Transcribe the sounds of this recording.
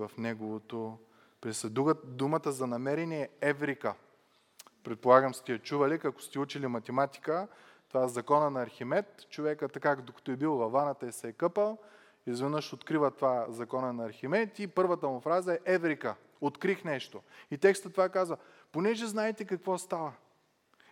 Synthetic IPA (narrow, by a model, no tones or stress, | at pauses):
vɐfnɛɡovot̪o | pɾɛsɛd̪uɣəd̪umət̪əzɐnɐmɛɾɛniɛɛvɾikə | pɾɛt̪̚polˠaɡəmst̪ijɐt͡ʃuvɐlikakʊ̥st̪ɛut͡ʃilimɐt̪ɛmat̪ʲi̥kə | t̪ovaɛzɐkɔnɐnɐːɾximɛt̪t͡ʃovɛkət̪ɐkakd̪okə̥t̪oɛbilˠvɐvanət̪əɛsɛɛkɤpəlˠ | izvɛnɤʃot̪kɾivət̪ovazɐkɔnɐnɐːɾximɛt̪ipɤɾvət̪əmʊfɾazɐɛʔɛvɾikə | ot̪kɾixnɛʃt̪oit̪ɛkst̪ət̪ovakazvɐ | ponɛʒɛznaɛt̪ɛkɐkvɔst̪avə